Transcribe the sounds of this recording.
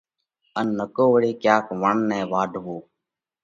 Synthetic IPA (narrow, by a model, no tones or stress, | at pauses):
ənːəkoːʋəɽeːkjaːkʋəɳnɛ̃ːʋaːɖʱʋoː